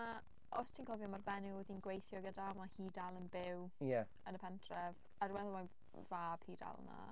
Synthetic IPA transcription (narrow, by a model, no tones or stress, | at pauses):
a | ɔ̰stʰiːnkʰɔvjɔmarbɛnɪðinɡwejθjɔɡədamahiːdalˠənbɪwjɛ | ənəpʰɛntʰrɛv | admɛðɔma | vab̥hiːda̰lˠna̰